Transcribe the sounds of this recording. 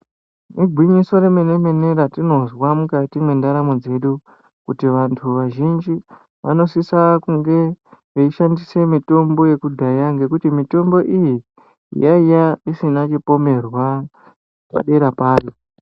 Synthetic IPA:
nuɡʱwiɲiso̞remene̞me̞ne̞ɾatino̞zwamukatimwe̞ndaɾamo̞d͡ze̞ɗu | kutiʋantʰuʋaʒind͡ʒi | ʋʔano̞sisakuŋɡe̞ʋeiʃandise̞mito̞mbo̞je̞kudʱajaŋɡe̞kutimito̞mbo̞ʔijḭ | jaijaisinat͡ʃipo̞me̞rwa | pa̰ɗe̞ɾapaːri

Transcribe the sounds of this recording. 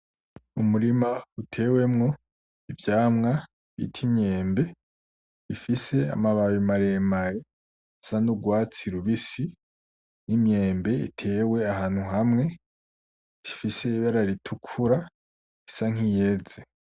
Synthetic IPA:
umuɾimautʰe̞ːwe̞mŋo̞ | ivjaːmŋa | βḭtʰimɲe̞ːmbe̞ | ifise̞a̰maβaβimaɾe̞maje | sanuɡwaːt͡siɾuβisi | nimɲe̞ːmbe̞ḭtʰe̞ːwe̞ahaːn̥huɦamŋe̞ | ifise̞iβaɾaɾitʰukʰuɾa | isaŋ̥ijeze

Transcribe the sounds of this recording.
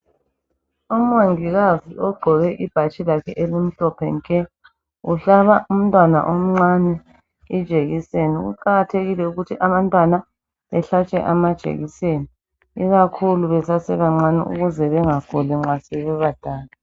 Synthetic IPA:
um̩waŋiɣaziɔɡ͡ǃʱɔɣɛʔib̥ʱat͡ʃʼilakʰɛʔelim̩ɬɔpʰɛŋkʼɛ | uɬaβaum̩tʼwana̰ʔom̩ŋ͡ǀanɛ | id̥ʒ̥ʱeɣiseniɣṵǃaɣatʰeɣilɛuɣutʰiʔaβantʼwana | βɛɬat͡ʃʼɛ̰ʔamad̥ʒ̥ʱḛɣiseni | iɣakʰuluβɛsasɛβaŋ͡ǀanḭʔṵɣuzɛβɛŋakʰuliŋ͡ǁasɛβɛβad̥ʱaːla

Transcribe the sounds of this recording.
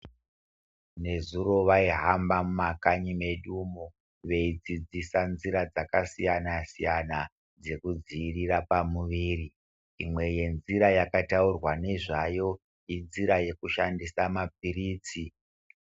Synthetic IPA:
ne̞zuɾo̞ʋaiɦambamumakaɲime̞ɗumu | ʋe̞id͡zid͡zisanziɾad͡zakasijanasijana | d͡ze̞kud͡ziːrirapamuʋiːri | imwe̞je̞nziɾajakataurwane̞ʐajo̞ | inziɾaje̞kuʃandisamap̚iriːt͡si

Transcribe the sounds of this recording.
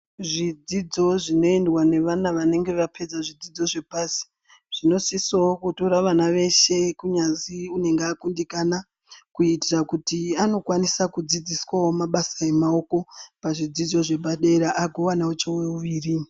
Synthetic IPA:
ʐid͡zid͡zo̞ʐino̞endwane̞ʋanaʋane̞ŋɡe̞ʋape̞d͡zaʐid͡zid͡zo̞ʐe̞pasi̥ | ʐ̥ino̞sisookutoɾaʋanaʋe̞ʃe̞kuɲanziune̞ŋɡeakundikana | kuitirakutiano̞kwanisakud͡zid͡ziswawo̞maɓasae̞mao̞ko̞paʐid͡zid͡zo̞ʐe̞bʱaɗeːɾaʔaɡʱowanaut͡ʃeweuʋiːri

